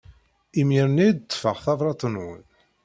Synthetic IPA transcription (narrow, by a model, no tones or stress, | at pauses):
imiɾnid̪t̪ːfəʁθɑvɾˤɑt̪ˤːənwən